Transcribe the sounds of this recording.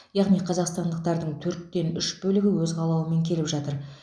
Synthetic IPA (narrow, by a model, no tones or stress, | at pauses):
jɑʁnijqʰɑzɑqst̪ɑnd̪əq̚t̪ɑɾd̪əɴt̪ʰɵɾt̪ːe̞nʏʃbɵlɪɡʲɪwɵzʁɑlˠɑwəme̞ŋkʲʰe̞lɪpʒɑt̪əɾ